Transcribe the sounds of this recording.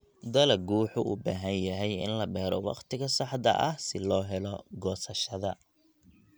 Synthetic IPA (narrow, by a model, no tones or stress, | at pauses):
d̪ɐlɐɡuːħʊʔṵːbaːɦɐnjɐɦɛjɪ̰nlɐbɛːɾɔwɑ̰qt̪ʰɪɣɐsɑħd̪ɐ̰ʔɐ̰hsɪlɔːɦɛlɔɡɔːsɐʃɐðɐ